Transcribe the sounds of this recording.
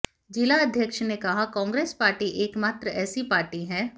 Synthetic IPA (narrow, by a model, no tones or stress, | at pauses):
d͡ʒɪlaɐd̪ʱjəkʃnekɐɦakɔ̃ːŋɡɾeːspaːɾʈiʔeːkmaːt̪ɾəɛːsipaːɾʈiɦɛ̃ː